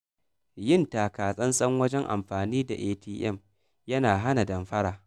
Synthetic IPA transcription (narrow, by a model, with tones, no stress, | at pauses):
jɪ˦˨ntaː˨kaː˨sʼɐ˦nsʼɐ˦ŋwɐ˦d͡ʒɛ˦ŋʔa̰˨mɸaː˨niː˦da̰˨ʔeː˦tiː˦ʔɛ̰˦˨m | jɐ˦naː˨ɦa˦na˨dɐ˨mɸɐ˦ɽaː˨